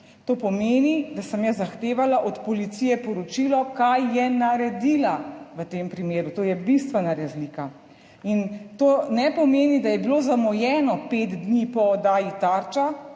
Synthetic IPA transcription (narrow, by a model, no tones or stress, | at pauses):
t̪oːpɔmeːnid̪asəmjazaxt̪eːʋalaʔɔt̪pɔlit̪sijɛpɔɾɔt͡ʃilɔkajːɛnaɾɛd̪ilaʋət̪empɾimeːɾut̪oːjɛbist̪ʋɛnaɾazliːka | int̪oːnɛpɔmeːnid̪ajɛbilozamɔjɛːnɔpet̪d̪nipɔːd̪aːjit̪aɾt͡ʃa